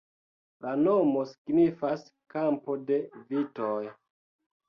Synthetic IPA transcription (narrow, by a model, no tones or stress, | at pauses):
lanomo̞si̥ɡnifas | kampo̞de̞vitoj